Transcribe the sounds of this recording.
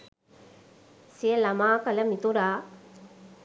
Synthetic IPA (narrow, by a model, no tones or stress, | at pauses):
siəlɐmaːkɐlɐmit̪uɾaː